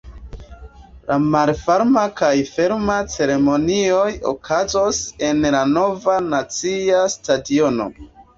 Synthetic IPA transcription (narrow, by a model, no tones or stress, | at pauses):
lamalfaɾmakajfe̞ɾmat͡se̞ɾe̞mo̞nio̞jo̰kʰazose̞nlano̞vanat͡siastadio̞no̞̰